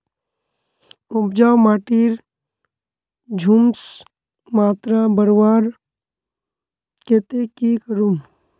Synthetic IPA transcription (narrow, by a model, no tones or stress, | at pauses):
upd͡ʒaːwmaːʈiɾ | d͡ʒʱums | maːt̪ɾabəɾʋaːɾ | ket̪ekikəɾum